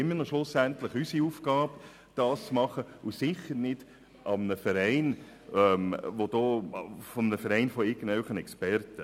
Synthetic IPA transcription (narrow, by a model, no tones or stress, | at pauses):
ɛminɔʃlʊsæntləχysiuːfɡ̥ɑːb | d̥ɑːst͡smɑχəusɪχəɾnɪd̥ | ʔɑmnəfɛɾæɪn | ɛmʋod̥ɔːfɔmnəfəɾɛɪnfɔɪɡ̥ən̩dœlχənɛkspɛɾtə